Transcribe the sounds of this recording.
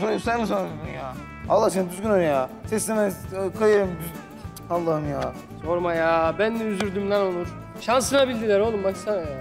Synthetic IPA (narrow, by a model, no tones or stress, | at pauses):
d̪ojupsajmɯsanyzɡʲynjaː | alˠːasenid̪yzɡʲynoɾjaːsɛsːenakʰajɯɾɯmd̪yz | alˠːahɯmjaː | soɾmajaːbænːɛyzyɾd̪ymlʲænolˠuɾ̥ | ʃansɯnabilʲd̪ilʲæɾolnumbaksa